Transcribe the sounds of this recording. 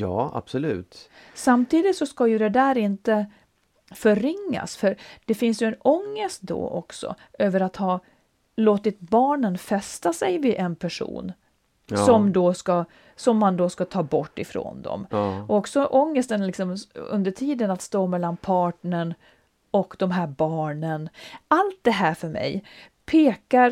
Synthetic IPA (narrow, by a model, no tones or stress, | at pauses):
jɑːa̰b̥sɔlʉ̰ːt̪ | samt̪ʰiːd̪ɪt̪sɔskajɵd̪ɛd̪æːɾɪnt̪ə | fœɾɪŋːa̰sfœɾd̪̥ɛfɪnsjɵɛnɔŋːəst̪̚d̪o̰ːʔɔ̰ksɔ̰ | øːvəɾat̪hɑː | loːt̪ɪt̪bɑːɳənfɛst̪asɛjvɪʔɛnpʰæʂṵːn | sɔmd̪oːska | sɔmːand̪oːskat̪ʰɑːbɔʈːɪfɾo̰ːnd̪ɔ̰mɔɔksɔʔɔŋːəst̪ənlɪksɔmɵ̰nd̪əʈʰiːd̪ənat̪st̪oːmɛlːanpʰɑːʈɳəɳ | ɔkd̪̥ɔmɦæːɾbɑːɳənalt̪̚d̪ɛɦæːɾfœɾmɛ̰j | pʰeːkaɾ